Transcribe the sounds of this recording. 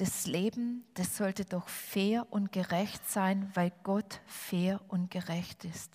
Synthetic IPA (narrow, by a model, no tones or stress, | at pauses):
d̥asleːbm̩d̥asz̥ɔltədɔxfeːɐʔʊntɡ̥əʁɛçtz̥aɪnvaɪlɡ̥ɔtfeːɐʔʊntɡ̥əʁɛçtɪst